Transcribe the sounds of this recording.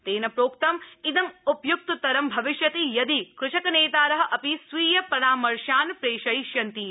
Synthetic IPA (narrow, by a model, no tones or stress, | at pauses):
t̪eːnɐpɾoːk̚t̪ɐmid̪ɐmupjuk̚t̪ɐt̪ɐɾɐmbʱɐʋiʃjɐt̪ijɐd̪ikɾʊʃɐkɐneːt̪aːɾɐɦɐ̆ʔɐpisʋiːjɐpɐɾaːmɐɾʃaːnpɾeːʃɐjʃjɐnt̪i